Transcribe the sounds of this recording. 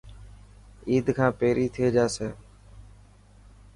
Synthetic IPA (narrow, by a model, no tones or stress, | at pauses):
iːd̪kʰãːpeːɾiːt̪ʰɪeːd͡ʒaːseː